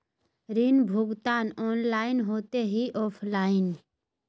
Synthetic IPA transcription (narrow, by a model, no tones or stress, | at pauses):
ɾinbʱʊɡt̪aːnɔːnlaːɪnɦoːt̪eɦiʔɔːpʰlaːɪn